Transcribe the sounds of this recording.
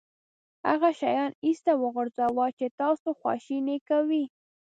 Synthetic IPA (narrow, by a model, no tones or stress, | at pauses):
ha̰ɣaʃajɑnist̪awəɣʊɾzawɑt͡ʃet̪ɑsoxwɑ̰ʃinekawi